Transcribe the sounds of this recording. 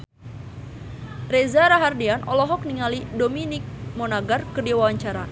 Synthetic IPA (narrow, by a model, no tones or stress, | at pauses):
rezaɾaɦardianʔɔ̰lɔɦɔk̚niŋalidominik̚mɔnaɡarkədiwawaɲt͡ʃaɾa